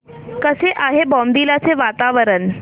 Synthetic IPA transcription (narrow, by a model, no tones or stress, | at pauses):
kəseʔaɦebɔ̃md̪iːlat͡seʋat̪aʋəɾən